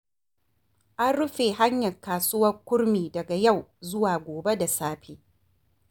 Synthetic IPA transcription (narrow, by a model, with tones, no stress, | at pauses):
ʔa˦nɽʊ˦ɸeː˨ɦa˦ɲjɐ˨kaː˨sʊ˦wɐ˦rkʷʊ˦ɾmiː˨dɐ˨ɡa˨ja˦˨wzʊ˦waː˨ɡʷoː˨be˦da˨saː˦ɸiː˦